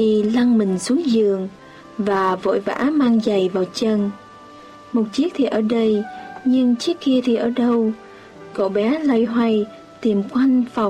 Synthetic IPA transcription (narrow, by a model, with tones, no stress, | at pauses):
i˨˩la˧ŋmï˨˩ŋ̟su˨˦əŋzɨ˨əŋ | vaː˨˩vo̰˧˨jva̰ː˧˥maː˧ŋza˨˩jvaː˨˩wt͡ɕə˧˩n | mo˨˩t̚t͡ɕi˦˥ək̚t̪ʰi˨˩ʔəː˧˩ɗə˧jɲɨ˧ŋt͡ɕi˦˥əkki˧ət̪ʰi˨˩ʔəː˧˩ɗə˧w | ko̰˧˩ɓɛ˨˦la˧jɦwa˧j | t̪i˨˩mkwa˧jŋfa˨˩